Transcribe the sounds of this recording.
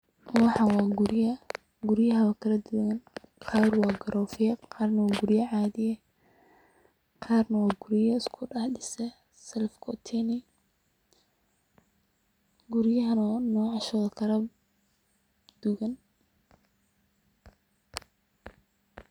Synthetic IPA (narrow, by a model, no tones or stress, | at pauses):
wɑħɑwɑːɡʊɾjɐ | ɡʊɾjɐɦɐβɐkʰɐɾɐd̪uɣɐnqʰɑːrwɑːɡɐɾɔːfɪjɛqʰɑːrnɐwɑːɡʊɾjɐʕɑːðɪjɛ | qʰɑːrnɐwɑːɡʊɾjɐɪskʰʊɖɑħdɪsɛ | sɛlfkʰɔt̪ʰɛnɪ | ɡʊɾjɐɦɐnɔːnɔːʕɑʃɔːðɐkʰɐɾɐ | d̪̥uɣɐn